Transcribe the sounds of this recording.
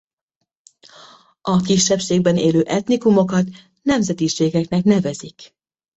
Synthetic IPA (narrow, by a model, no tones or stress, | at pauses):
ɒkiʃːɛpʃeːɡ̚bɛneːløːʔɛt̪nikumo̞kɒt̪ | nɛmzɛt̪iʃeːɡɛknɛknɛvɛzik